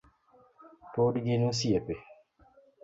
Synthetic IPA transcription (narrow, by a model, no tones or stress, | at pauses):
toːdiɡinũsiɛpe